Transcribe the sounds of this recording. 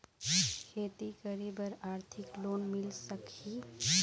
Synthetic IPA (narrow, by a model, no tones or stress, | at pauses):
kʰeːt̪ikəɾibəɾaːɾt̪ʰɪkloːnmɪlsəki